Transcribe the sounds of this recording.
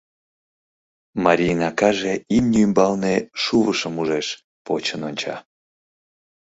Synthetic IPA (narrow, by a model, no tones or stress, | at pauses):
mɑɾʲijnɑkɑʒeimnʲymbɑlneʃuβəʃəmuʒeʃ | pot͡ɕənonʲt͡ɕɑ̰